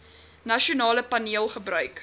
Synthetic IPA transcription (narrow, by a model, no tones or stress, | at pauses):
nɐʃiunɑːləpɐniəlˠχəbrœɥk